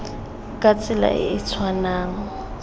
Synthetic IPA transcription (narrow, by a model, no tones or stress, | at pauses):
kʼat͡sʼɪla̰ʔɪ̰ɪt͡sʰwanaːŋ̩